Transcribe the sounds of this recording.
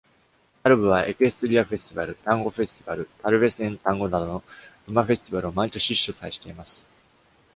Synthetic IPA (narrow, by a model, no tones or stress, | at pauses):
aɾɯ̟bɯ̟β̞aʔe̞kɯ̟esɨ̥t̪oɾʲiaɸe̞sɨ̥t̪ibaɾɯ̟t̪ãŋɡo̞ɸe̞sɨ̥t̪ʲibaɾɯ̟t̪aɾɯ̟be̞sɨẽ̞nt̪ãŋɡo̞nad̪o̞no̞bɯ̟maɸe̞sɨ̥t̪ibaɾɯ̟omait̪o̞ɕiɕːosaeɕi̥t̪e̞imasɨ̥